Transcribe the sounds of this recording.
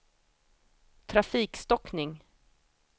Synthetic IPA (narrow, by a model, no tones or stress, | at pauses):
t̪ʰɾafiːkst̪ɔknɪŋ